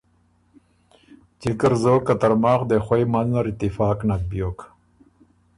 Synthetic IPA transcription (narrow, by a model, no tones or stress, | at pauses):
t͡ɕikəɾzoːkːat̪aɾmɑːxd̪exwojmannaɾit̪ɪfɑːknak̚bjoːk